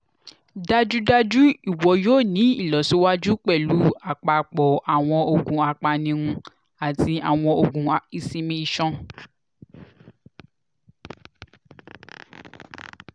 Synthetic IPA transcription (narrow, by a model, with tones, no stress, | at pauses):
da˦d͡ʒu˦da˦d͡ʒu˦i˦˨wɔ˨˦joː˦˨nĩ˨˦i˦˨lɔ˨so˦wa˦d͡ʒu˦k͡pɛ˦˨lu˨˦a˦˨k͡pa˨k͡pɔ˨ʔa˨w̃ɔ̃˧o˧ɡũ˨a˧k͡pa˧nĩ˧ũ˧ | a˨tʰi˧a˨w̃ɔ̃˧o˧ɡũ˧˨i˧sĩ˧mĩ˧i˧ʃɔ̃˦